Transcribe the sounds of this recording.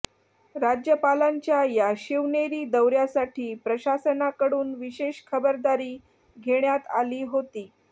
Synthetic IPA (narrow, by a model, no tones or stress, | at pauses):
ɾad͡ʑjəpalaɲt͡ɕjajaɕiʋɳeɾiːd̪əwɾjasaʈʰiːpɾəɕasənakəɽuːnʋiɕeɕkʰəbəɾd̪aɾiː | ɡʱeɳjat̪aliːɦot̪iː